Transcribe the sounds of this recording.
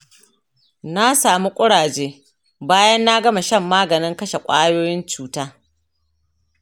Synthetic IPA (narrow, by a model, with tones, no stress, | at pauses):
na˦saː˨mu˦kʷʼʊ˦ɽaː˨d͡ʒeː˦ | baː˦jɐ˦nːa˦ɡɐ˦ma˨ʃɐ˦˨mːaː˦ɡɐ˨nɪ˦ŋkɐ˦ʃe˨kʷʼaː˦joː˦jɪ˦nt͡ʃuː˨taː˦